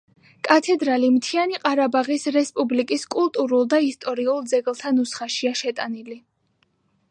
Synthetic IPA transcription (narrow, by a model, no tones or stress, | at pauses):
kʼat̪ʰɛd̪ɾalimt̪ʰianiqʼaɾabaʁisɾɛspʼublikʼiskʼulˠt̪ʼuɾulˠd̪aist̪ʼɔɾiulˠd̪zɛɡlˠt̪ʰanusχaʃiaʃɛt̪ʼanili